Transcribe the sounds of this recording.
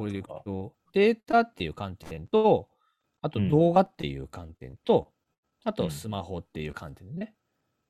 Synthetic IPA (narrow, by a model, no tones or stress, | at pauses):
oɾd̪eo | d̪̥e̞ːt̪at̪ːe̞jɯ̟ːkãnt̪ẽnt̪o | at̪od̪o̞ːɡat̪ːe̞̰jɯ̟̰ːkãnt̪ḛ̃nt̪o̞ | at̪o̞sɨmaho̞t̪ːe̞jɯ̟̰ːkʰã̰nt̪ẽ̞nːe